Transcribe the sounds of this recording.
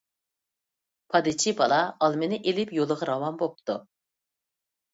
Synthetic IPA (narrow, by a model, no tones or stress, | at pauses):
pʰɑd̪ɪt͡ʃʰibɑlˠɑɑlˠmɪnɪʔelɪpjolˠəʁɑɾɑwɑnbop̚t̪ṵ